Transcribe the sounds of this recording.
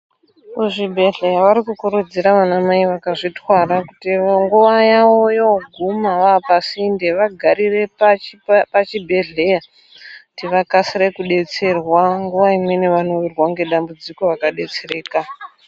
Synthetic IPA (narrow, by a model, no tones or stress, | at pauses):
kuʐibʱe̞ɮe̞jaʋaɾikukuɾud͡ziɾaʋanamaiʋakaʐitwaɾakutiŋɡuʋajaojoɡʱumaʋaːpasinde̞ʋaɡʱaɾire̞papat͡ʃibʱe̞ɮe̞ja | tiʋakasiɾe̞kuɗe̞t͡se̞rwaŋɡuʋaimwe̞neʋano̞ʋirwaŋɡe̞ɗambud͡ziko̞rakaɗe̞t͡sere̞ːka